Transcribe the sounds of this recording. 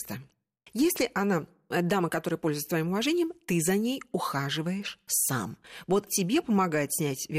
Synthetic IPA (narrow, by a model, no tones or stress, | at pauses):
st̪ə | jesʲlʲɪʔana | d̪aməkɐt̪oɾəjəpo̞lʲzʊjt̪st̪vɐimʊvɐʐɛnʲɪjəmt̪ɨzɐnʲejʊxaʐɨvəjɪʂsa̰mvo̞t̪tʲɪbʲe̞pəmɐɡajɪt̪sʲnʲætʲvʲ